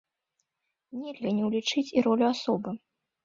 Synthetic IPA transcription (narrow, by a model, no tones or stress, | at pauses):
nʲɛlʲɣɐnʲɛwlʲit͡ʂɨt͡sʲiɾɔlʲuasɔbɨ